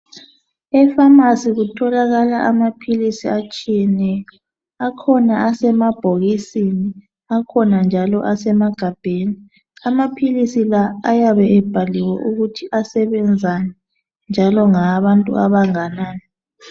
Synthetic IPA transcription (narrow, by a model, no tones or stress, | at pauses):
ɛfamasiɣutʰɔlaɣalaʔamapʰilisiat͡ʃʼijɛnɛjɔ | akʰɔnaasɛmab̥ʱoɣisini | akʰɔnand͡ʒʱalɔ̰ʔasɛmaɡ̥ʱab̥ʱeːni | amapʰilisilaajaβɛʔɛb̥ʱaliwɛ̰ʔuɣutʰiʔasɛβɛnd͡zʱanɛ | nd͡ʒʱalɔŋaβantʼṵaβaŋanaːnɛ